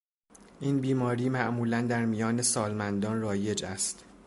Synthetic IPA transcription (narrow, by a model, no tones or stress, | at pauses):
ʔiːnbiːmɒːɾiːmæʔmuːlænd̪æɾmijɒːne̞sɒːlmænd̪ɒːnrɒːje̞d͡ʒæst̪